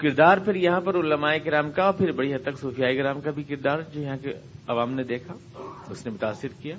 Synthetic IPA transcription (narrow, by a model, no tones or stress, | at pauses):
kɪɾd̪aːɾpʰɪɾjɐɦãpɐɾʊləmaːekɪɾaːmkaɔːɾpʰɪɾbɐɽiɦɐt̪ːəksoːfijaːeɡɪɾaːmkabʱikɪɾd̪aːɾd͡ʒoːjɐɦãkeɐʋaːmned̪eːkʰa | ʊsnemʊt̪aːsːɪɾkijaː